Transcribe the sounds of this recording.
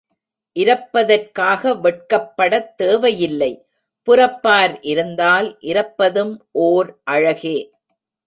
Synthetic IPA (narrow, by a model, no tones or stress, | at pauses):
ʔɪɾɐpːɐðɐrkaːɣɐʋɛʈ̚kɐpːɐɽɐt̪ːeːʋɐjɪlːɐɪ | pʊɾɐpːaːɾʔɪɾɯnd̪aːlʔɪɾɐpːɐðɯmʔoːɾʔɐɻɐɣeː